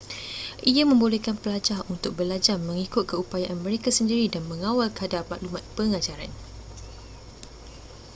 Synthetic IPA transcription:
ʔiamə̃mbolekanpəlad͡ʒahunt̪ʊk̚bəlad͡ʒarmə̃ŋikʊt̪̚kəupajaʔanmə̃ɾekasəndiɾidanmə̃ŋawalkəadarmãʔlumãt̪̚pəŋãd͡ʒaɾan

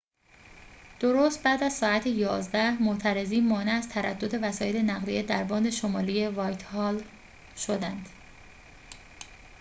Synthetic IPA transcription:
d̪̥oɾoːst̪̚bæːd̪æzsɒːæt̪ʰejɒːzd̪æmot̪ʰæɾe̞ziːnmɒːneæzt̪ʰæɾæd̪ːo̞d̪e̞væsɒːjelenæɣlijed̪æɾbɒːnd̪e̞ʃomɒːlijevɒːjt̪ʰhɒːl | ʃo̞d̪ænd̪̥

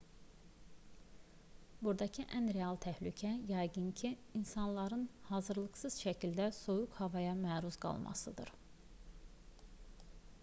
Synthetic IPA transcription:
buɾd̪ɑcʰiʔænɾeɑlˠt̪ʰæhlycʰæjɑjɡɯncʰiːnsɑnlˠɑɾɯnhɑːzɯɾlˠɯɡsɯz̥ʃæcʰild̪æsojukhɑvɑjɑmæːɾuzɡɑ̰lˠmʔɑ̰sɯ̰d̪ɯ̰ɾ

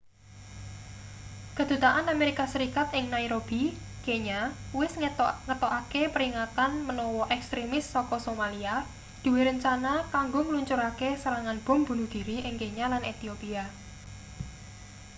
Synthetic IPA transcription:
kə̤d̪̥ṳt̪aʔanameɾikasəɾikat̪ɪŋnaiɾob̥i | keɲawɪsŋət̪ɔʔakepəɾiŋat̪anmənɔwɔʔɛkst̪ɾemɪsːɔkɔsomalia | d̪̥ṳweɾəɲt͡ʃanakaŋɡoŋəluɲt͡ʃʊɾakesəɾaŋanb̥ɔ̤mbṳnud̪̥i̤ɾiʔɪŋkeɲalanʔet̪iopia

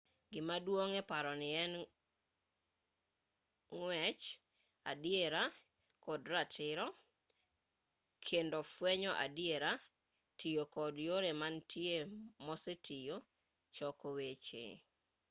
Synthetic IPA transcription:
ɡɪmadwoŋɛpaɾɔnɪɛn | ŋwɛt͡ʃ | a̰dijeɾa | kɔdɾatʰɪɾɔ | kʰendofwɛɲɔʔa̰djeɾa | tijokɔdjoɾemantʰjemɔsetʰijo | t͡ʃɔkowet͡ʃḛ

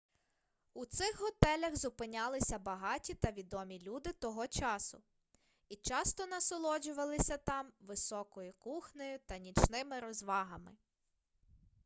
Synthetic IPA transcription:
ut̪sɪxɦɔt̪ɛlʲɐɣzʊpɪnʲɑlˠɪsʲɐbɐɦɑtʲit̪ɐʋʲid̪ɔmʲilʲud̪ɪt̪ɔɦɔt͡ʃɑsʊ̰ | it͡ʃɑst̪ɔnɐsɔlˠɔd͡ʒʊʋɐlˠɪsʲɐt̪ɑmʋɪsɔkɔjʊkuxnʲɔjʊt̪ɐnʲit͡ʃnɪmɪɾɔzʋɑɦɐmɪ

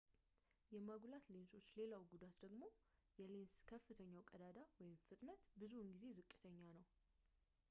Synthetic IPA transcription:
jɛmaɡʷulat̪lensʼo̞t͡ʃːle̞lawɡud̪at̪d̪əɡmo̞jɛlenskʰəfːɨt̪ʰəɲːawkʼəd̪ad̪awɔjɪmfɨt̪ʼnət̪bɨzuɨnɡize̞zɨkʼːɨt̪ʰəɲːanəw

